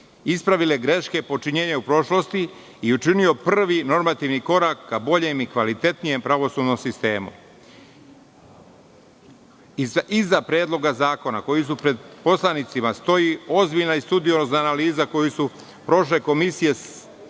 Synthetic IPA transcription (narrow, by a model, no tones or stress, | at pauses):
ispɾaʋileɡɾe̞ʃke̞po̞t͡ʃiɲeːɲeupɾo̞ʃlo̞st̪iː | ut͡ʃinio̞pr̩ʋino̞ɾmat̪iʋniko̞ɾakːabo̞ʎe̞mikʋalit̪e̞t̪nije̞mpɾaʋo̞suːd̪no̞msist̪e̞ːmṵ | izːapɾeːd̪lˠo̞ɡazaːko̞na̰ko̞jis̬upɾed̪po̞slˠanit̪simast̪o̞jio̞zbiʎnaist̪ud̪ionoznaːnaliːzako̞jisu | pɾo̞ʃle̞ko̞misije̞